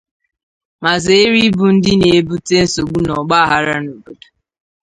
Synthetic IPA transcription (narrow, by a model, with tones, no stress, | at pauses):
ma˨ze˨e˦ɾi˦bu˨n̩˦dɪ˦ne˨e˦˨bu˦te˦n̩˦so˨ɡ͡bu˦nɔ˨ɡ͡ba˦a˦˨ɦa˦ɾa˦no˨bo˨du˨